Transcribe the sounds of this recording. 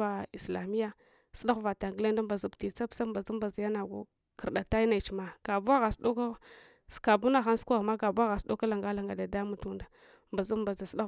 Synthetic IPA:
a˨i˨sla˨mi˦ja˦ | su˦ɗa˦xva˨ta˨ŋɡi˦le˦nda˦mba˨zu˨bti˨t͡sa˦psa˦mba˨zu˦mba˨za˨ja˦na˨ɡṵ˦ | kə˨ɾɗa˨ta˦na˨t͡ʃi˨ma˦ka˨bu˦a˦ɣa˨sɗu˦ka˦ | ska˨bu˦na˦xa˦n˦skʷa˦ɣma˦ɡa˨bu˦a˦ɣa˨sdu˦ka˦la˨ŋɡa˦la˨ŋɡa˨da˨da˦mu˦tu˦nda˨ | mba˨zu˦mba˨za˨sa˦

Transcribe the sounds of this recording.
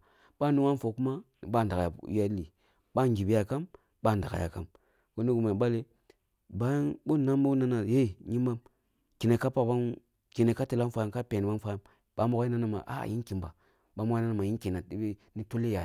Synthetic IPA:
ɓa˦ni˦wa˦n˦fo˨ku˦ma˦ni˨ɓa˦˨n˨da˨ja˨˦a˦li˨ | ɓa˦ŋɡi˨bi˦ja˨ka˦m | ɓa˦˨n˨da˨a̰˨ja̰˨ka˦m | ko˦ni˦ɡu˨ma˨ɓa˦le˦ | ba˦ja˦nɓo˦na˦mbu˦na˦na˨je˦˨ɲi˦ma˦m | ki˨ne˨ka˦pa˨ba˦n | ki˨ne˨ka˦ti˨la˦nfa˦ja˦ka˦pe˨ni˨wa˦nfa˦ja˦m | ɓ̥a˨˦mo˦ka˦i˦na˦na˨ma̰˨ʔa̰˦˨jḭ˦nki˨mba̰˨ | ɓa˦mu˦na˦na˨ma˨ji˦ki˨na˨i˦bi˦ | ni˦to˦le˦ja˨

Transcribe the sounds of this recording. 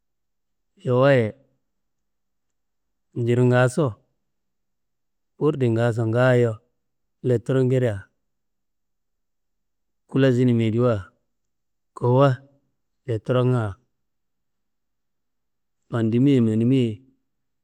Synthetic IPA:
jo˨wa˦jɛ˨ | n˨˦d͡ʒi˨ɾi˨ŋɡa˨˦so˦˨ | pu˦ɾdi˨ŋɡa˨˦s̬o˨ŋɡa˦jo˦ | le˨tɔ˦ɾo˦ŋɡe˦ɾi˦ja˨ | ku˦la˦zi˦ni˨me˨di˦wa˦˨ | ko˨˦wa˦ | le˨to˦ɾo˦ŋa˨ | pa˨ndi˨˦mi˦je˨me˨ni˨˦mi˦e˨

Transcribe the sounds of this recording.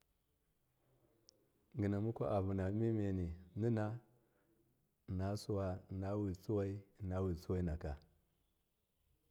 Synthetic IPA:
ŋɡi˨na˨mu˦kʷa˦ʔa˨bu˨na˨˦mi˦me˨ni˨ni˦na˦˨ | na˨su˦wa˦˨na˦wi˨t͡su˦wa˦i˦˨na˦wi˨t͡su˦wa˦i˦na˨ka˨

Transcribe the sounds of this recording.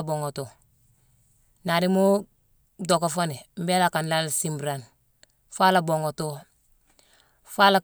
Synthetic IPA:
bo˨ŋo˨to˨ | na˨ɾi˦mo˦ | do˨ko˨fa˦ne˨m̩˦be˦la˨ka˨nla˦lsi˦mbɾan | fa˦la˨bo˨ŋo˨to˦ | fa˦la˨

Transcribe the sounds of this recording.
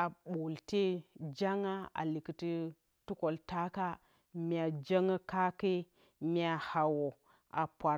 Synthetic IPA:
a˨ɓo˨lte˦d͡ʒa˦ŋa˦a̰˨li˨ki˨ti˦ | tu˦ko˨lta˦ka˦ | mi˦˨a˨d͡ʒa˦ŋa˦ka˦ke˦ | mi˦a˨ha˨wo˨ | a˨pʷa˨

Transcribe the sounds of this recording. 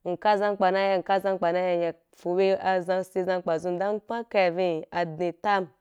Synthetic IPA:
ŋ̩˨ka˦zã˦ŋk͡pa˨na˦ja˧ŋ̩˨ka˦zã˦ŋk͡pa˨na˦ja˧ja˨ | fu˨we˦a˧zã˧ŋsi˦zã˧˦ŋk͡pa˨zu˦n˦da˦ŋ˦k͡pã˦ka˨vĩ˦˨a˨dni˨ta˦˨m

